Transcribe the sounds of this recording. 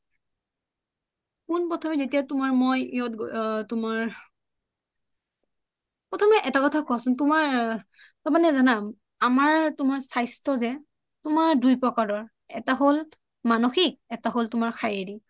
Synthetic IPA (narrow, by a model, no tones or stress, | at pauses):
kunpɔtʰɔmɛzetijatʊmaɹmɔjiɔtɡtʊmaɹ | pɹɔtʰɔmɛʔɛtakɔtʰakɔasʊntʊmaɹ | tɔmanɛzanam | amaɹtʊmaɹsajstɔzɛ | tʊmaɹdujpɹɔkaɹɔɹ | ɛ̰taɦol | manoxik̚ɛtaɦoltʊmaɹxʰajeɹi